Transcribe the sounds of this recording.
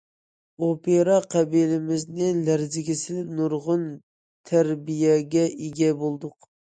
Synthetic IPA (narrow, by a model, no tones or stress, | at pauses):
opeɾɑqʰɛbilɪmɪznɪlæɾzɪɡʲisɪlɪpnuɾʁʊn | t̪ʰæɾbijɛɡʲɛʔiɡʲɛbolˠd̪ʊq